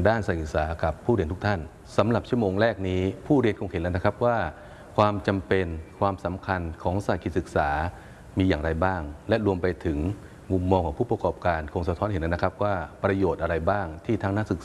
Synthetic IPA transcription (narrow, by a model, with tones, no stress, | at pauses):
daː˥˩nsa˨˩si˨˩k̚saː˩˦ka˨˩pʰːuː˥˩ɾi˧ənt̪ʰu˥k̚t̪ʰa˥˩n | sa˩˦mɾa˨˩p̚t͡ɕʰu˥˩əmoː˧ŋɾɛː˥˩k̚niː˦˥pʰuː˥˩ɾi˧ənkʰo˧ŋhe˨˦lna˦˥kʰa˦˥p̚waː˥˩ | kʰwaː˧mt͡ɕa˧mpe˧nkʰwaː˧msa˩˦mkʰa˧nkʰɔː˩˦ŋsa˨˩kʰi˨˩t̪̚sɯ˨˩k̚saː˩˦ | miː˧jaː˨˩ŋɾa˧jbaː˥˩ŋlɛ˦˥ɾu˧əmpa˧jt̪ʰɯ˩˦ŋ | mu˧mːɔː˧ŋkʰɔː˩˦ŋpʰuː˥˩pɾa˧kɔː˨˩p̚kaː˧nkʰo˧ŋsa˧t̪ʰɔ˦˥nhe˩˦na˦˥na˥kʰa˦˥p̚waː˥˩pɾa˧joː˨˩t̪̚ʔa˧ɾa˧jbaː˥˩ŋt̪ʰiː˥˩t̪ʰaː˦˥ŋnaː˥˨sɯ˨˩k̚